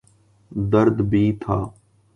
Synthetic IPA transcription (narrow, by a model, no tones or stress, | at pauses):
d̪əɾd̪bʱiːt̪ʰaː